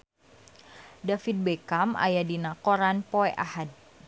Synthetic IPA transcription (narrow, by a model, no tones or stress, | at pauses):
dafit̪̚bekamʔa̰jadinakoɾanpoɛʔahad̚